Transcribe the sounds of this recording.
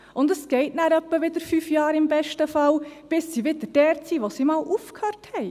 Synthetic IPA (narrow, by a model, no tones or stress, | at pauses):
ʔʊndəsɡ̥ɛɪtnæːɾœpːəʋɪd̪əɾfyːfjɑːɾɪmbɛʃtəfɑlb̥ɪsːiːʋɪd̪əɾd̥ɛːɾt͡siːʋosiːmɑːlʔuːfkhøːɾthɛɪ